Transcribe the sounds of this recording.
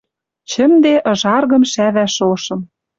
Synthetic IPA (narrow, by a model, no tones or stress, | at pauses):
t͡ɕə̆md̪eʔɤ̆ʒɑrɣɤ̆mʃæβæʃoʃɤ̆m